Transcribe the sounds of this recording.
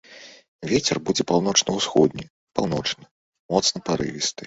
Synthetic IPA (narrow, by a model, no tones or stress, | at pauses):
vʲet͡sʲɛrbud͡zʲɛpawn̪ɔt͡ʂnɐwsxɔd̪nʲɛ | pawn̪ɔt͡ʂnɐ | mɔt̪snɐpaɾɨ̰vʲist̪ɨ